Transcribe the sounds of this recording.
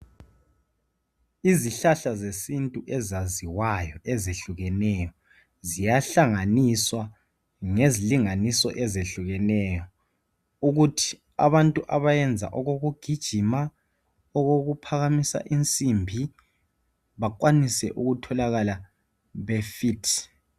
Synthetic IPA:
iziɬaɬazesintʼuʔɛzaziwajɔezeɬuɣɛnɛjɔ | zijaɬaŋaniswa | ŋeziliŋanisɔ̰ʔɛzeɬuɣɛnɛjɔ | uɣutʰi̥ | a̰βantʼuʔaβajɛnd͡zʱa̰ʔɔɣoɣuɡ̥ʱid̥ʒ̥ʱima | ɔɣoɣupʰaɣamisa̰ʔint͡sʼimbʱi | βak̬ʼwanisɛ̰ʔuɣutʰɔlaɣala | βɛfitʰ

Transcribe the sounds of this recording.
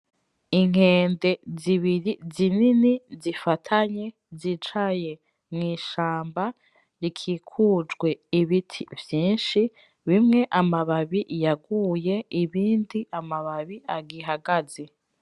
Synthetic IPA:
iŋ̥e̞ːnde̞ziβiɾizininizifatʰaɲe̞ | zit͡ʃaje̞ | mŋiːʃaːmba | ɾikʰikʰuːd͡ʒɡwe̞iβitʰivjiːnʃi | βimŋe̞ʔamaβaβiʔjaɡuːje̞iβiːndiamaβaβiaɡiɦaɡazi

